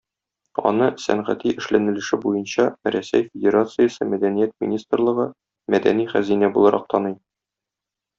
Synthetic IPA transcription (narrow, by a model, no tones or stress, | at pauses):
ɒ̰nɤsæ̰nʁæt̪iʔɘ̆ʃlænɘ̆lɘ̆ʃɘbujɤnɕɑɾæsæjfʲɪdʲeɾat̪sɨjəsɤmæd̪ænijæt̪̚mʲḭnʲist̪rlˠɤ̆ʁɤ | mæd̪æniχæzinæbulˠɑɾʔɑ̰q̚t̪ʰɒnɤj